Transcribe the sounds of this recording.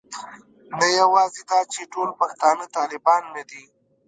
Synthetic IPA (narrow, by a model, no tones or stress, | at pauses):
najawɑzed̪ɑt͡ʃeʈolpaxt̪ɑnət̪ɑːlɪbɑnːad̪i